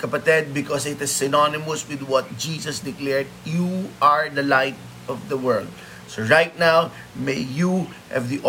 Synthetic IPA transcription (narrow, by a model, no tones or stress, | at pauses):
kɐpɐt̪ɛd̪̚bɪkɔsɪt̪ɪsːɪnɔnɪmʊswɪd̪wʌt̪̚d͡ʒiːsɐsd̪ɪklɛɹd̪̚juʔaɹd̪ɐlaɪt̪̚ | ɔvd̪ɐwɜ˞ld̪̚ | soɹajt̪̚naw | mejju | hɛ̰vd̪iʔ